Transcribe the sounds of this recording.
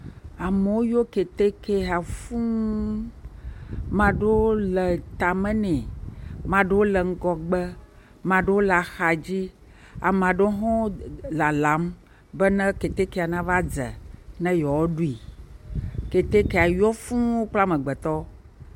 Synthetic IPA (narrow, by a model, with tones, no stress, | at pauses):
a˨me˨wo˦jo˦ke˨t̪e˦ke˦a˨fũ˦ | mã˨ɖe˦wo˦lɛ˨t̪a˨mɛ̃˦nɛ̃˨mã˨ɖe˦wo˦lɛ˨ŋ̩˦ɡɔ˨ɡ͡bɛ˦ | mã˨ɖe˦wo˦la˨xa˨d͡ʑi˦ | a̰˨m˨ã˨ɖe˦ɦɔ̃˦la˨la˨˦m | bɛ˦nɛ̃˦ke˨t̪e˦ke˨a˨nã˦va˦d͡zɛ̰˨nɛ̃˦jɔ˨wo˦ɖu˦i˨ | ke˨t̪e˦ke˦˨a˨jɔ˦fũ˦wo˦k͡pla˦mɛ̃˨ɡ͡bɛ˨t̪ɔ˦